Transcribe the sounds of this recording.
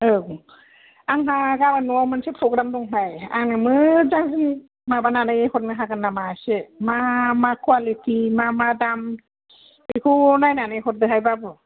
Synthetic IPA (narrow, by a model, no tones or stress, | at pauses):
ɯ | aŋmakabanuawmansepʰɾɔɡɾamdɔŋɦaja̰ŋnɯmɯzaŋzɯn | mabananajehɔt̚nɯɦakɯnːamasemamakʰwalitʰimamadam | ekʰunajnanaɦɔt̚dɯɦajbabɯ